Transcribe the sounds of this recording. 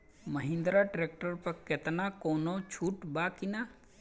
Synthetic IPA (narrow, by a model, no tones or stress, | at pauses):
məɦɪ̃nd̪ɾaʈɾeːk̚ʈəɾpɐkɪt̪nakoːnot͡ʃʰuːʈbaːkɪnaː